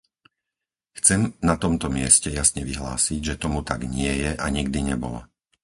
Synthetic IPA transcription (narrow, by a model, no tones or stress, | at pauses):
xt͡sɛmnat̪ɔmt̪ɔmɪɛscɛjasɲɛʋiɦlaːsiɟʒɛt̪ɔmut̪aɡɲɪɛjɛʔaɲiɡd̪iɲɛbɔ̰la̰